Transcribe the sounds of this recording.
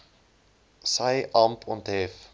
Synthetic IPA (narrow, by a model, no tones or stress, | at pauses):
sɐjʔɑmpʰɔntɦɛf